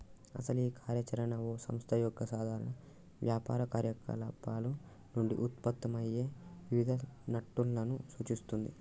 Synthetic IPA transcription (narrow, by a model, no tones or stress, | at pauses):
ɐ̰sɐliːkʰaːɾjɐt͡ʃɐɾɐɳɐoːsɐ̰mst̪ʰɐjɔɡːɐsaːd̪ʱaːɾɐɳɐ | ʋjaːpa̰ːɾɐkaːɾjɐkɐ̰lɐpaːlu | nuɳɖḭʔut̪̚pɐt̪ːɐmɐje̞ːʋiʋid̪ʱɐnɐʈːulːɐnusuːt͡ʃist̪und̪ḭ